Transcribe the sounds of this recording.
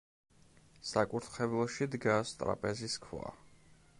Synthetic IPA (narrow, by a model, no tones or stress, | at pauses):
sakʼuɾt̪ʰχɛvlˠɔʃid̪ɡast̪ʼɾa̰pʼɛziskʰwa̰